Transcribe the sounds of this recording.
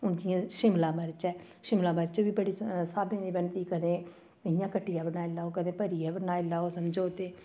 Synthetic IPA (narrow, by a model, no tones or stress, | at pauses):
ʊnd͡ʒɪjãːʃɪmlaːməɾt͡ʃɛː | ʃɪmlaːməɾt͡ʃʋiːbəɽiːsaːbẽːd̪iːbənt̪iːkəd̪ẽː | ɪjãːkəʈːijaːbənaːɪlaːoːkəd̪ẽːpəɾiːɛːbənaːɪlaːoːsəmd͡ʒoːt̪eː